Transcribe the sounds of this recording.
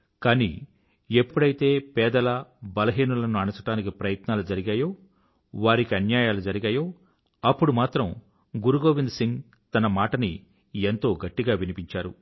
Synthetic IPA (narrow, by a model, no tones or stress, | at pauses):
kaːnḭ | e̞pːuɽɐjt̪e̞ːpɛːd̪ɐlɐbɐlɐɦiːnulɐnuɐɳɐt͡ʃɐʈaːnikipɾɐjɐt̪naːlud͡ʒɐɾiɡaːjoː | ʋaːɾikiɐnjaːjaːlud͡ʒɐɾiɡaːjo̞ː | ɐpːuɽumaːt̪ɾɐm | ɡuɾuɡo̞ːʋind̪siŋɡ | t̪ɐnɐmaːʈɐni | e̞nt̪o̞ːɡɐʈːiɡaːʋinipiɲt͡ʃaːɾṵ